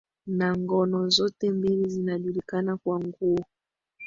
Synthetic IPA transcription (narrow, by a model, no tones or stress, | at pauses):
naŋɡɔnɔzɔtɛmbilizinaʄulikanakwaŋɡu